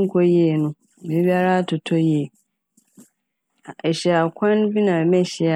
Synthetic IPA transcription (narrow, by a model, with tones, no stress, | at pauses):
ŋ˨kʰɔ˦je˦˨nʊ̃˦˨ | me˨˦bi˦a˦ɾa˦tʊ˨tʰɔ˦je˦˨ | ɛ˨ɕɛ˨a˨kʰʷã˦n˦bi˦nã˨mɛ̃˦ɕɛ˨a˨